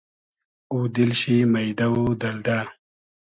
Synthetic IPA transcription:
ud̪ilɕimɐjd̪ɐwud̪ɐld̪aː

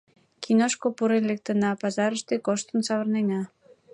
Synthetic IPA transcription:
kʰinoʃkopuɾenlek̚t̪ənɑpɑzɑɾəʃt̪ekoʃt̪ənsɑβərnenɑ

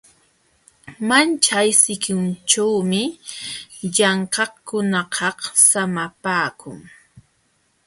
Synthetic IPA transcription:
mant͡ʃajsɪkʊnt͡ʃawmɪ | ʎɑɴqɑkʊnɑqʰɑhsamapaːkʊ̰ŋ

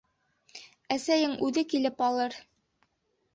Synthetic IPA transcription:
æsæjɘŋʔʉðɘkilɘpɑlˠɤɾ

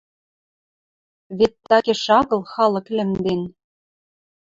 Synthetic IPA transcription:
βet̪ːɑkeʃɑɣɤ̆lˠxɑlɤ̆klʲɘ̆md̪en

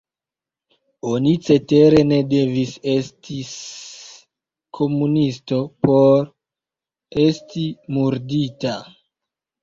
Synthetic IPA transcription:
onit͡se̞te̞ɾe̞ne̞de̞vise̞stʰis | kʰo̞munisto̞po̞ɾ | e̞stʰimuɾdita

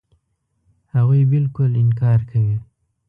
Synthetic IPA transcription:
haɣujbɪlkʊlɪnkɑːɾkʰawi

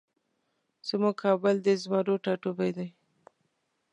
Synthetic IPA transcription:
z̥əmʊkʰɑbɪld̪əzmɑɾoʈɑʈubajd̪aj

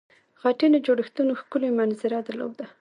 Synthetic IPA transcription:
ɣaʈenod͡ʒoɽɪxt̪unoxkʊlomanzɪɾad̪ala̰wd̪a

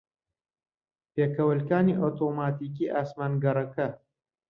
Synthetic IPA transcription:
peːkɐwəlkaːniʔot̪ʰoːmaːt̪iːk̬iːʔaːsmaːnɡɐɾɐkɐ

